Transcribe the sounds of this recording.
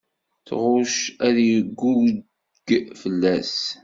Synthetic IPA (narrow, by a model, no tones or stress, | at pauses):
θʁʊʃæðjəɡːu | ɡ̥fəlːæs